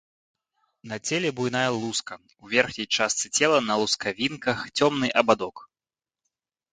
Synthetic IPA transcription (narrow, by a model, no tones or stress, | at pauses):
nɐt͡sʲɛlʲɛbujnajɐlˠuskɐ | uvʲɛrxnʲɐjt͡ʂast̪sɨt͡sʲɛlˠɐnɐlˠuskavʲinkɐxt͡sʲɔmnɨʔɐbad̪ɔk